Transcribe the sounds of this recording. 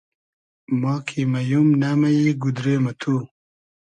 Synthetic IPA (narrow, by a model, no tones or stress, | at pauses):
moːkʰimɐjumnamɐjiɡud̪ɾeːmɐt̪ʰu